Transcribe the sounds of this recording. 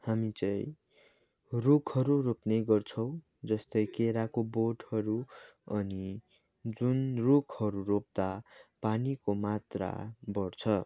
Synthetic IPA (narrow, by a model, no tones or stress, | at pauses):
hamit͡sʌj | rukʰʌɾuropnejɡʌrt͡sʰʌw̃ | d͡zʌst̪ʌjkeɾakoboʈhʌɾuʌni | d͡zunrukʰhʌɾuɾop̚d̪apanikomat̪ra̰bʌrt͡sʰʌ